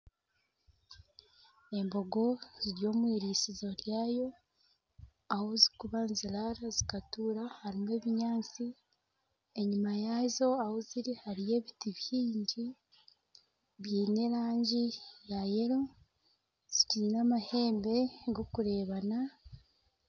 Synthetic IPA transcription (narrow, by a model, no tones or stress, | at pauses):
e̞mbo̞ɡo̞ziɾjo̞ːmwiːɾiːsizo̞ɾjaːjo̞ | ahozi̥kuβanzilaɾazikatuːɾahaɾime̞ːβiɲaːt͡si | e̞ɲumajazo̞ahoziɾihaɾije̞ːβitiβjiːɲɟi | βjiːne̞ɾaːɲɟijajeɾo̞ | z̥iciinamahe̞ːmbe̞ɡo̞kuɾe̞ːβana